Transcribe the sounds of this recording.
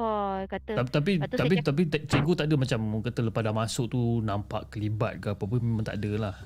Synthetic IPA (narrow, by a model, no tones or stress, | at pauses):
kat̪at̪ap̬it̪ap̬it̪ap̬it̪t̪ɾiɡut̪aʔdəmat͡ʃamkət̪ələpadamasʊʔ̚t̪unampa̰ʔkəliba̰t̪̚ɡapap̬əmemãŋt̪a̰ʔdəlah